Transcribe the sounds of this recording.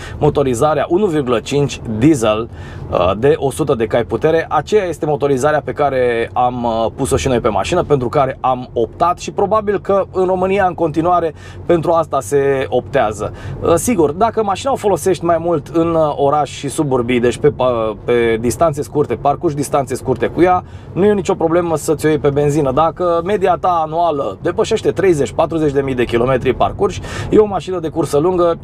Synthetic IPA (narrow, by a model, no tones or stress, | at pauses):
mo̞t̪o̞ɾizaɾeaʔunuvirɡulət͡ʃint͡ʃʲd̪izeləd̪e̞ʔo̞sut̪əd̪e̞kajput̪e̞ɾe̞ʔat͡ʃejaje̞st̪e̞mo̞t̪o̞ɾizaɾeape̞kaɾe̞ampuso̞ʃino̞jpe̞ma̰ʃinəpe̞nt̪ɾukaɾe̞ʔamo̞pt̪at̪ʃipɾo̞babilkəɨnro̞mɨnijaɨŋko̞nt̪inuaɾe̞ | pe̞nt̪ɾuast̪ase̞o̞pt̪eazəsiɡurd̪akəmaʃinaofo̞lo̞se̞ʃt̪ʲmajmult̪ʰɨno̞ɾaʃʲʃisuburbijd̪et͡ʃʲpeppe̞d̪ist̪ant̪se̞skurt̪e̞parkurʃ̬ʲd̪ist̪ant̪se̞skurt̪e̞kuja | nuje̞nit͡ʃo̞pɾo̞ble̞məsət̪sʲojejpe̞be̞nzinəd̪akəme̞d̪iat̪aːnualəd̪e̞pəʃe̞ʃt̪e̞t̪ɾe̞jzet͡ʃʲpat̪ɾuze̞t͡ʃʲd̪e̞mijd̪e̞kʲilo̞me̞t̪ɾipa̰rkurʃʲjeo̞maʃinəd̪e̞kursəluŋɡə